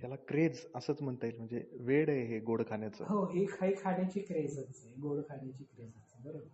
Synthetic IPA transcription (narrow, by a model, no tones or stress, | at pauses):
jalakɾed͡zəsəːt͡sm̤əɳt̪ailm̤əɳd͡zḛʋeɽeɦeɡoɽkʰaɳjat͡sə̰ːɦoekʰaikʰanjat͡ɕikɾed͡zət͡səɡoɽkʰaɳjat͡ɕiːkɾed͡zat͡səɡəɾoɽ